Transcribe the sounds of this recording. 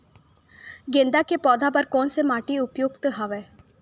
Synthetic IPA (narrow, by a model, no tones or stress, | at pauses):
ɡẽnd̪akepɔːd̪ʱapɐɾkɔ̃ːnsemaːʈiʊpjoːɡt̪ɦaʋe